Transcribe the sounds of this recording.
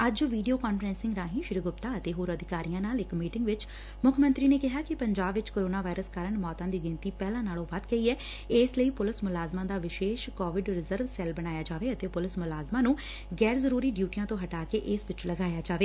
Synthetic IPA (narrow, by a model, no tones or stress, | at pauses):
əd͡ʒʋiːɖijoːkaːnfɾɛ̃ːnsɪ̃ŋɡɾaːɦĩːʃɪɾiɡʊpt̪aːət̪eːɦoːɾəd̪ɪkaːɾijãːnaːlɪkmiːʈɪ̃ŋɡʋɪt͡ʃ | mʊkʰmə̃nt̪ɾiːneːkɪɦaːkɪpəɲd͡ʒaːbʋɪt͡ʃkoːɾoːnaːʋaːɪɾəskəɾəɳmɔːt̪ãːd̪iːɡɪnt̪iːpɛːlãːnaːlõːʋat̪ɡəiːɛː | ɪsləiːpʊlɪsmʊlaːzmãːd̪aːʋɪʃeːʃkɔːʋɪɖɾɪzəɾʋsɛːlbəɽ̃aːjaːd͡ʒaːʋeːət̪eːpʊlɪsmʊlaːzmãːnũː | ɡɛːɾzəɾuːɾiːɖjuːʈijãːt̪õːɦəʈaːkeːʔɪsʋɪt͡ʃləɡaːjaːd͡ʒaːʋeː